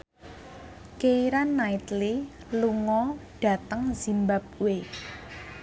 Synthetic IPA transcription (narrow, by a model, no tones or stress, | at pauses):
keiɾanːait̪li | luŋɔɖ̥ä̤t̪əŋz̥i̤mbap̚we